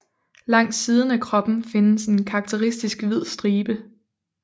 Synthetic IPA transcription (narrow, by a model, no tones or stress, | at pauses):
lɑ̈ŋ̰d̥siːð̞ˠən̩ækʰʁɒ̽b̥n̩fe̝nəse̝nkʰɑ̈ɡ̥̚t͡sʰeʁisd̥isɡ̥ʋið̞̰ˠsd̥ʁiːb̥ə